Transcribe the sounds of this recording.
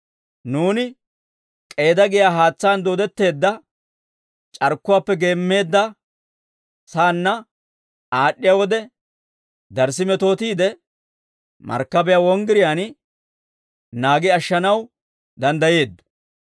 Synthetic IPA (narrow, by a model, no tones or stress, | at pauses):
nuːnɪ | kʼe̞ːd̪ɐɡɪjaːɦaːt͡sːaːnd̪oːd̪ɛt̪ːe̞ːd̪ːɐ | t͡ʃʼɐɾkːʊwaːpːɛɡe̞ːmːe̞ːd̪ːɐ | saːnːɐ | aːɗːɪjawɔd̪ɛ | d̪ɐɾsɪmɛt̪o̞ːt̪iːd̪ɛ | mɐ̰ɾkːɐbɛjaːwɔŋɡɪɾɪjaːn | naːɡɪɐʃːɐnɐw | d̪ɐnd̪ɐje̞ːd̪ːɔ̥